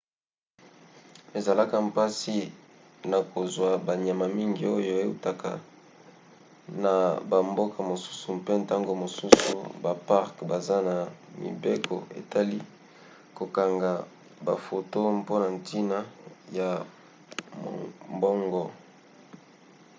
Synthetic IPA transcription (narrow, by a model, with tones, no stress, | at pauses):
e˨za˨la˦ka˨mpa˦si˦ | na˨ko˨zwa˨ba˨ɲa˨ma˨mi˦ŋɡi˦o˦jo˦e˦u˦ta˨ka̰˨ | na˨ba˨mbo˦kʰa˨mo˨su̥˦su˨mpe˦nta˦ŋɡo˨mo˨su˦sṵ˨ba˨pa˦ʁkba˨za˦na˨mḭ˨be˦kʰo̰˨ḛ˨ta˦li˦ | ko˨ka˨ŋɡa˨ | ba̰˨fo˨to˦mpo˦na˨nti˦na˦ja˨ | m̰˨mbɔ˦ŋɡɔ˦˨